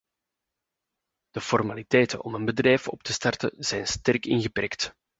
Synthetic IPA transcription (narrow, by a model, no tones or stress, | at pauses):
d̥əfɔrmalitɛjtə̰nʔɔmənbədrɛjfɔ̰p̚tʰəstɑrtənz̥ɛjnstɛrkɪnɣəpɛrkt